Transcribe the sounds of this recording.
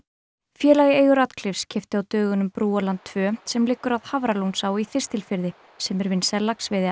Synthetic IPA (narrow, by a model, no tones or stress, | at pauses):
fjɛːlaɣɪeːjɣʏɾat̪kʰlɪfscʰɪft̪ɪawt̪œːɣʏnʏmpɾuːalant̪ʰːv̥œːœm̥t̪sɛmlɪːkːʏɾaðhavɾalownsaːwiθɪrst̪ʰɪlfɪɾðɪ | sɛmɛɾvɪnsɛlːaksvɪðɪ